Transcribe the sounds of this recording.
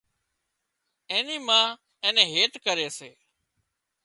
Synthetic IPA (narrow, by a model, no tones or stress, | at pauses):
ẽːniːmãː | ẽːnẽːɦeːʈkəɾeːseː